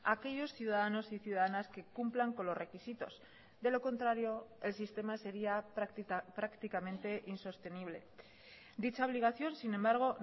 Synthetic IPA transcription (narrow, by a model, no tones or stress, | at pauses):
ake̞ʎo̞sθjuðaðano̞siθjuðaðanaske̞kumplaŋko̞nlo̞srekisit̪o̞̰s | ðe̞lo̞kõ̞nt̪ɾaɾjo̞e̞lsist̪e̞mase̞ɾia | pɾakt̪ikamẽnt̪e̞ʔinso̞st̪e̞niβle̞̰ | d̪it͡ʃaoβ̞liɣ̞aθjo̞nsinembaɾɣ̞o̞